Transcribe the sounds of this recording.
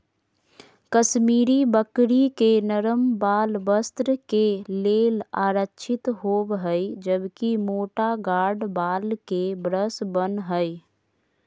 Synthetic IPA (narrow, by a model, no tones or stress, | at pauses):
kəʃmiːɾibəkɽikenəɾəmbaːlbəst̪ɾəkeleːla̰ːɾətːt͡ʃʰɪt̪ɦoːbɦəɪd͡ʒəbkimoːʈaɡaːɖbaːlkebɾəsbənɦəɪ